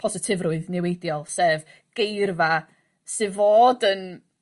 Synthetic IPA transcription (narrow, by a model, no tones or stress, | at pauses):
pʰɔsɪtʰɪvrʊɨðnɛwejdjɔlˠsɛv | ɡ̥ejrva | sɨvoːdən